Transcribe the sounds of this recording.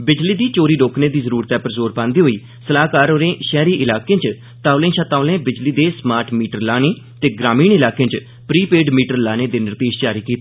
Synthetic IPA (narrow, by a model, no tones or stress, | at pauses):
bɪd͡ʒliːd̪iːt͡ʃoːɾiːɖoːkʰneːd̪iːzəɾuːɾt̪ɛːpəɾzoːɾpãːnd̪iːɦoːiː | səlaːkaːɾoːɾẽːʃɛːɾiːʔɪlaːkẽːt͡ʃ | t̪aːʋlẽːʃat̪aːʊlẽːbɪd͡ʒliːd̪eːsmaːɾʈmiːʈəɾlaːneː | t̪eːɡɾaːmiːnɪlaːkẽːt͡ʃ | pɾiːpeːɖmiːʈəɾlaːneːd̪eːnəɾt̪iːʃt͡ʃaːɾiːkiːt̪a